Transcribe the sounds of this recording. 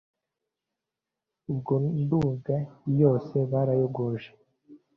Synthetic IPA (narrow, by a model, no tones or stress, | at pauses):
ubɡonduŋɡajo̞ːse̞βaːɾajoɡoʒe